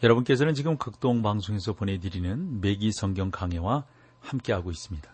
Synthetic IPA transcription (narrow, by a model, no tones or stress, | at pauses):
jʌɾʌbunk͈e̞sʰʌnɯnt͡ɕiɡɯmkɯk̚t͈oŋbaŋsʰoŋe̞sʰʌpone̞dɯɾinɯnme̞ɡisʰʌŋɡjʌŋkaŋewa | hamk͈e̞ɦaɡois͈ɯmɲida